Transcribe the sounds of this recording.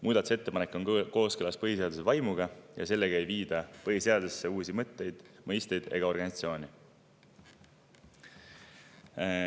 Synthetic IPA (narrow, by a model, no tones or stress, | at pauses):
muːd̪̥ɑt̪u̥se̞t̪ːe̞pɑnekːˑo̞nko̞ːskɯlɑspɤɦise̞ɑd̪̥usevɑjmuɡɑjɑ̰se̞lːeɡ̥ɑejviːd̪ɑpɤɦise̞ɑd̪usːe̞uːsimɤt̪ːe̞jd̪̥mɤjst̪e̞jd̪̥e̞̰ɡɑo̞rɡ̥ɑnisɑt̪sio̞ːnʲi